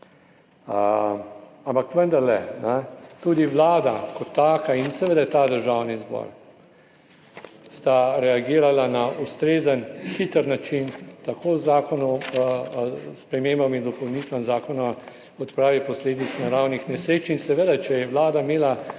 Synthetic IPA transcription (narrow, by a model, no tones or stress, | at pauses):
ə | ampakʋənd̪aɾlɛnɛt̪uːd̪iʋlaːd̪akɔt̪ːaːkainsɛʋeːd̪at̪ad̪əɾʒaːwnizbɔ̰ːɾ | st̪aɾɛaɡiːɾalanaust̪ɾeːzənxit̪əɾnat͡ʃint̪akʰoːzaːkɔnu | spɾɛmeːmbamind̪ɔpɔwniːt̪ʋamzaːkɔnam | ɔt̪pɾaːʋipɔsleːd̪it͡ssnaɾawnixnɛsɾeːt͡ʃinsɛʋed̪at͡ʃɛjɛʋlaːd̪ameːla